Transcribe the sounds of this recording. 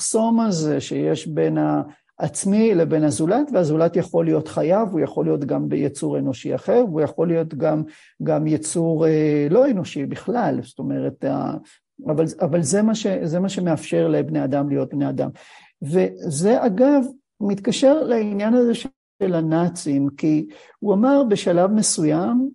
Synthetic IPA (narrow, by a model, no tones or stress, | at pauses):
χso̞maze̞ʃejeʃbe̞na | ʔːt͡smilebe̞nazulat̪veazulat̪jaχo̞lijo̞t̪χajavujaχo̞lijo̞t̪ɡambejet͡suʁe̞no̞ʃia̰χeʁvujaχo̞lijo̞t̪ɡam | ɡamjet͡suʁelo̞eno̞ʃibiχlalsto̞me̞ʁeta̰ | avalavalzemaʃe̞ze̞maʃe̞meafʃe̞ʁlebnead̪amlijo̞t̪̚bneada̰m | ve̞ze̞ʔaɡav | mit̪kaʃe̞ʁlainjanaze̞ʃ | e̞lanat͡simki | uamaʁbe̞ʃalavme̞sujam